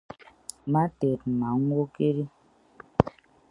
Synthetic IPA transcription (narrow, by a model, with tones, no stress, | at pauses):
ma˦tɛ˨t̚ma˨ŋ˦wo˦ke˦ɾi˦